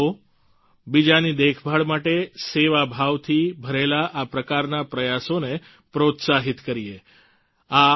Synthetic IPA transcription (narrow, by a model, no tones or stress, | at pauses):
o | bid͡ʒanid̪ekʰbʱaɭmaʈeseʋabʱaʋt̪ʰibʱəɾelaʔapɾəkaɾnapɾəjasone | pɾot̪saɦit̪kəɾie | a